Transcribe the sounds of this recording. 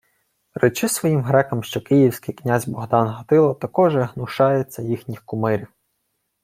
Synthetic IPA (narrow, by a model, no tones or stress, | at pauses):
ret͡ʃɪsʋɔjimɦɾɛkɐmʃt͡ʃɔkɪjiwsʲkɪjknʲazʲbɔɦd̪ɑnɦɐt̪ɪlˠɔt̪ɐkɔʒɛɦnʊʃɑjɛt͡sʲːɐjixnʲixkʊmɪɾʲiw